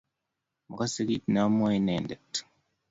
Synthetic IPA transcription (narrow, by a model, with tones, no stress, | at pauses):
mu˨ka˦si˦ki˦tna˦mo˦i˦ne˨nde˨tu̥˨